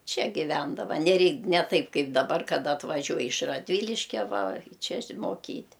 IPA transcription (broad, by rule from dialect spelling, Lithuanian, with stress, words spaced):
ˈt͡ʃʲɛ ɡʲɪˈʋʲɛndɐʋɐ nʲɛˈrʲɛɪ nʲɛ ˈtɐɪp ˈkɐɪp dɐˈbɐr kɐˈdɐ ɐtʋɐˈʒʲuɔj ɪʃ rɐdʲˈʋʲiːlʲɪʃʲkʲɛ ʋɐ ˈt͡ʃʲɛ ɪʃʲmoːˈkʲiːtʲ